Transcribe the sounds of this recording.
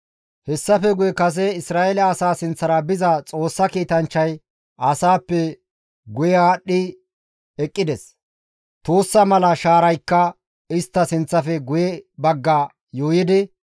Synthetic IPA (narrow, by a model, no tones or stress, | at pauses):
hɛsːɐfɛɡʊjɛkɐs̬ɛɪsɾaːʔɛlɐːsaːsɪnt͡sːɐɾɐbɪzɐt͡sʼo̞ːsːɐkiːt̪ɐnt͡ʃːɐj | ɐsaːpːɛ | ɡʊjɛaːɗːɪ | ɛkʼːɪd̪ɛs | t̪oːsːɐmɐlɐʃaːɾɐjkːɐ | ɪst̪ːɐsɪnt͡sːɐfɛɡʊjɛbɐɡːɐ | joːjɪd̪ɪ